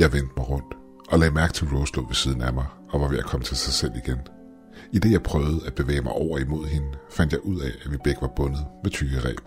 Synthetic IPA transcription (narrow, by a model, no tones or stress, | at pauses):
jɑ̈ɪʋen̰d̥mɑ̈ɪʁɔ̽n̰d̥ | ʔɒ̽lɛːmæɐɡ̥̚t͡sʰe̝lʁɔʊslɔ̰ːʋe̝siːð̞ˠn̩æmɑ̈ɪ | ɒ̽ʋɑ̈ʋe̝ækʰɒ̽mət͡sʰe̝lsɑ̈ɪsel̰iɡ̥en | id̥e̝jɑ̈ɪpʰʁœʊð̩ˠæ̥b̥e̝ʋɛ̰ːɪmɑ̈ɪʔɒʊ̰ɐimo̝ð̞̰ˠɦe̝nəfæn̰d̥jɑ̈ɪʔuð̞̰ˠɛæʋib̥eɡ̥əʋɑ̈b̥ɔ̽nð̞̩ˠmet͡sʰyɡ̥əʁɛ̰̥ː